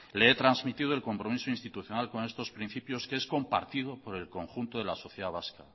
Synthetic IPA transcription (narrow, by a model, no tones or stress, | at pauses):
leet̪ɾanzmit̪iðoe̞lko̞mpɾo̞misoinst̪it̪uθjo̞nalko̞nest̪o̞spɾin̟θipjo̞skeesko̞mpa̰ɾt̪iðo̞po̞ɾe̞lko̞ŋxunt̪oðe̞laso̞θjeðaβ̞aska̰